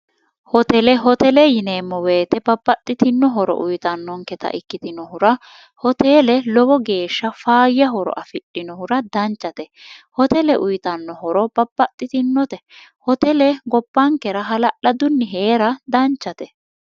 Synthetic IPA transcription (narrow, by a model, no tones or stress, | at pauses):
hɔt̪ɛlɛɦɔt̪ɛlɛjɪneːmːɔweːt̪ɛbɐbːɐt̪ʼːɪt̪ɪnːɔɦɔɾɔ̰ʔʊjt̪ɐnːɔŋkɛt̪ɐ̰ʔɪkːɪt̪ɪnɔhʊɾɐ | hɔt̪eːlɛlɔbɔɡe̞ːʃːɐfaːjɐɦɔɾɔ̰ʔɐfɪɗɪnɔhʊɾɐd̪ɐnt͡ʃːɐt̪ɛ | hɔt̪ɛlɛʔʊjt̪ɐnːɔɦɔɾɔb̥ɐb̥ːɐt̪ʼːɪt̪ɪnːɔt̪ɛ | hɔt̪ɛlɛɡɔbːɐŋkɛɾɐɦɐlɐʔɐd̪ʊnːɪɦe̞ːɾɐd̪ɐnt͡ʃːɐt̪ɛ